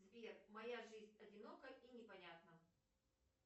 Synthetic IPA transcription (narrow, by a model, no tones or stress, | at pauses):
zʲvʲermɐjaʐɨzʲnʲɐdʲɪno̞kəʔinʲɪpɐnʲat̪nə